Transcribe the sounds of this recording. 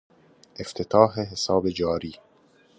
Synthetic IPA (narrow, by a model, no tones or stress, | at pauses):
ʔe̞ft̪ʰet̪ʰɒːɦeɦesɒːbe̞d͡ʒɒːɾiː